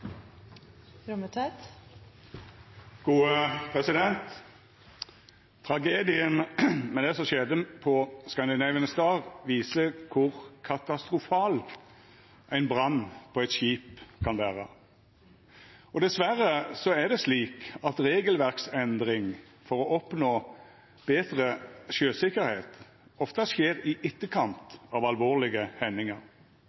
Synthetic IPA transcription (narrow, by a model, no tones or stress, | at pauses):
ɾɔmət̪ʰɑt̪ | ɡ̥uːəpʰʁɛsɪd̪ɛnt̪ | t̪ʰʁɑɡeːd̪ɪənmɛd̪ɛsɔmʃɛd̪əpʰɔskɑnd̪ɪnæɪʋənəsd̪ɑːʁʋiːsəkʰʊʁkʰɑt̪ɑst̪ʁʊfɑːl | ʔæɪnbʁɑnːpʰɔæɪt̪ɕiːpkʰɑnʋæːʁə | ɔd̪ɛsʋæʁəsɔæʁd̪ɛsliːkɑt̪ʁeːɡəlʋæʁksɛnd̪ʁɪŋ | fɔʁɔʔɔpnoː | b̥eːt̪ʁəʃøːsɪkːəɾheːt̪ | ɔft̪ɑʃeːʁɪʔɪt̪ːəkʰɑnt̪ɑːʋɑlʋoːʁlɪɡəhɛnːɪŋɑʁ